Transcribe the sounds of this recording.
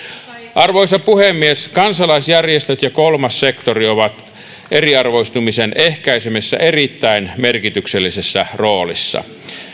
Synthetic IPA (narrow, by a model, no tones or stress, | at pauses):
ʔɑrʋoisɑpuhemːieskɑnsɑlɑisjærjest̪øt̪jɑkolmɑssekt̪orioʋɑt̪ | ʔeriɑrʋoist̪umisenʔehkæisemesːæ̰ʔerit̪ːæinmerkit̪ykselːisesːæroːlḭsːɑ̰